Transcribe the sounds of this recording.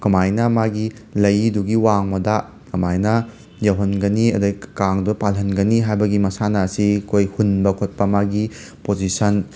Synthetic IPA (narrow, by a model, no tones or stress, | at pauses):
kɐmajnɐmaɡi | lɐjduɡiwaŋmɐda | kɐmajnɐ | jɐwɦɐnɡɐniɐdɐkaŋdupalɦɐnɡɐniɦajbɐɡimɐsanɐsikʰojhunbɐkʰot̚pɐmaɡi | pozisɐn